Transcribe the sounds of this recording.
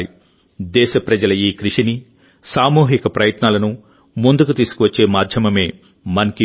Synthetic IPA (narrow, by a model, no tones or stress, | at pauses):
i | d̪ɛːʃɐpɾɐd͡ʒɐlɐiːkɾiʂini | saːmuːɦikɐpɾɐjɐt̪naːlɐnu | mund̪ukut̪iːsu̥kuʋɐt͡ʃːe̞ːmaːɾd̪ʱjɐmɐme̞ː | mɐnɐki